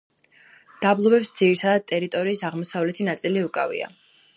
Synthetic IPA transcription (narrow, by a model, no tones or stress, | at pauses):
d̪̥ablˠɔbɛpsd̪z̥iɾit̪ʰad̪ad̪̚t̪ʼɛɾit̪ʼɔɾiːsaʁmɔsavlɛt̪ʰinat̪sʼiliukʼa̰vḭa̰